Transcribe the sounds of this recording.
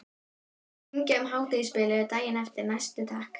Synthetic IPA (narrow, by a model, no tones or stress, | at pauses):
ɲcɛmɦaːwt̪ɪispɪːlɪʏɾt̪aːjɪnɛft̪ɪɾnajst̪ʏt̪ʰaːhk